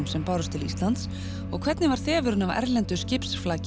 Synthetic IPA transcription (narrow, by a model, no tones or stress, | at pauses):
msɛmpaːwɾʏst̪ʰɪlist̪lant̪s | ɔɣkʰvɛt̪nɪvaɾ̥θɛːvʏɾʏnavɛ̰ɾlɛnt̪ʏscɪpsflaːc